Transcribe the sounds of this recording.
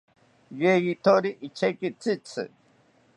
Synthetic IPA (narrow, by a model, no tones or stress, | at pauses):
jejit̪ʰoɾiʔit͡ɕʰekit͡sit͡sʰɨ̰